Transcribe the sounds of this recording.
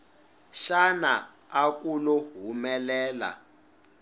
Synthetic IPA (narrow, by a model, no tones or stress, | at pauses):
ʃana̰ | ak̬ʼulɔɦumɛlɛːla̰